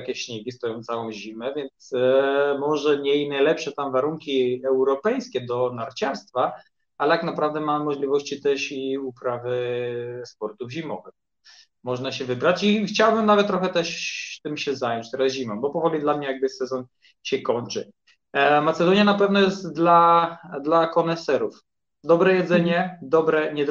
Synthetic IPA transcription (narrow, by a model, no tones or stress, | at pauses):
kʲɛɕɲɛɡʲist̪ɔjɔ̃w̃t̪sawɔ̃w̃ʑimɛvʲjɛnt̪smɔʐɛɲɛinajlɛpʂɛt̪amvaɾuŋkʲiɛwɾɔpɛjskʲɛd̪ɔnaɾt͡ɕaɾst̪fa | alɛt̪aknapɾavd̪ɛmamːɔʐlʲivɔɕt͡ɕit̪ɛʂiupɾavɘspɔɾt̪uvʑimɔvɛx | mɔʐnaɕɛvɘbɾat͡ɕixt͡ɕawbɘmnavɛt̪t̪ːɾɔxɛt̪ɛʂt̪ɘmɕɛzajɔɲt͡ɕt̪ɛɾazʑimɔmbɔpɔvɔlʲid̪lamɲɛjaɡ̚bɘsɛzɔn | ɕɛkɔɲt͡ʂɘ | mat̪sɛd̪ɔɲjanapɛvnɔjɛst̪d̪lad̪lakɔnɛsɛɾuf | d̪ɔbɾɛjɛd̪zɛɲɛd̪ɔbɾɛɲɛd̪